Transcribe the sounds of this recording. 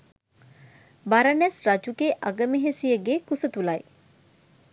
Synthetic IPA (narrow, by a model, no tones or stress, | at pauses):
baɾɐnɛsrad͡ʒuɡeʔaɡəmeɦesijəɡeːkusət̪ulɐj